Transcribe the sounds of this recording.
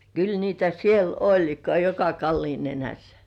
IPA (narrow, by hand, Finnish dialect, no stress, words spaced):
kyl niːtæ siel olʲ kɑjokɑ kɑlːiːn nenæsːæ̥